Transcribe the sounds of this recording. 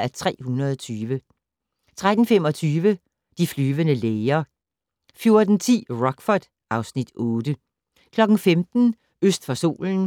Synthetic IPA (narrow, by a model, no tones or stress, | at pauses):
æt͡sʰʁɛ̰ːhunɐðˠɒt͡sʰyːʋə | t͡sʰʁad̥n̩femɒ̽t͡sʰyːʋə | d̥iflyːʋənəleɪɐ | fjo̝ɐd̥n̩t͡sʰḭːʁɒ̽ɡ̥fɒd̥ | ɑ̈ʊsnid̥ɔːd̥ə | kʰlɒ̽ɡ̥n̩femd̥n̩ | øsd̥fɒso̝̰ːln̩